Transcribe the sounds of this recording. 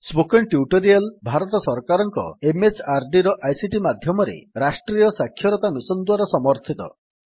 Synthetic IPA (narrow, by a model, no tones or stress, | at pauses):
sbokeɳʈjuʈoɾialbʱaɾɔt̪ɔsɔɾkaɾɔŋkɔ̰emet͡ʃaɾɖiɾɔʔajsiʈimad̪ʱjɔmɔɾḛɾasʈɾijɔsakʰːjɔɾɔt̪amisɔnd̪waɾasɔmɔɾt̪ʰit̪ɔ̰